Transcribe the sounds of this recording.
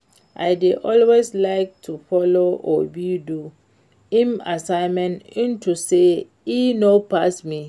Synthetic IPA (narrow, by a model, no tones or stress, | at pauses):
ʔa̰jdeʔɔlweslaɪk̚tʰufɔloɔ̰bidu | ĩmasãɪmɛ̃nĩntʰuse | inopasmi